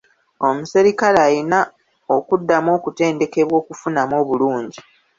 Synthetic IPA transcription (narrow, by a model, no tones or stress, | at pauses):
o̞museɾikalaːjina | okudːamo̞ːkute̞ːnde̞ke̞βwo̞ːkufunamo̞ːβuluːɲɟi